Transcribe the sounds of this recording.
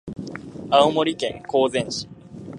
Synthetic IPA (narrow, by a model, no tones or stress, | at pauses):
aomoɾʲikẽŋko̞ːzẽɰ̃ɕi̥